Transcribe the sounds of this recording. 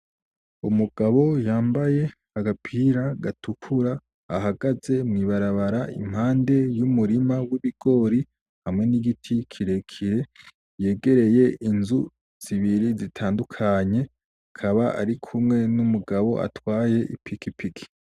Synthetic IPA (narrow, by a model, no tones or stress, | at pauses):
umuɡ̥aβo̞jaːmbaje̞haɡapʰiɾaɡatʰukʰuɾaː | ɦaɡaze̞mŋiːβaɾaβaɾaʔḭm̥haːnde̞jumuɾimawiβiɡ̥o̞ːɾi | hamŋe̞niɡitʰikʰiɾe̞kʰiɾe̞ | je̞ːɡe̞ɾe̞je̞ʔinzu | z̥iβiɾizitʰaːndukʰaɲe̞ | akʰaβaʔa̰ɾikʰumŋe̞numuɡaβo̞̰ʔa̰twaːje̞ʔḭpikipʰikʰi̥